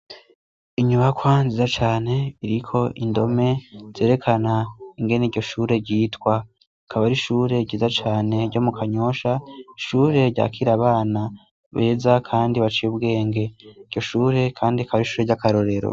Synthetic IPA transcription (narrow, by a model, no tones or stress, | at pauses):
iɲuβakwanzizat͡ʃaːne̞iɾikʰo̞ʔindo̞me̞z̥e̞ːɾe̞kʰanaiŋɡe̞neiɟo̞ʃuːɾe̞ɾɟiːtkwa | kʰaβaɾiʃuːɾe̞ɟizat͡ʃaːne̞ɾɟo̞mukʰaɲo̞ʃaiʃuːɾe̞ɾɟa̰ːkʰiɾaβaːna | βe̞ːzakʰaːndiβat͡ʃijubɡe̞ːŋɡe̞iɟ̥o̞ʃuːɾe̞kʰaːndiakaβaɾiʃuːɾe̞ɟakaɾo̞ɾe̞ɾo̰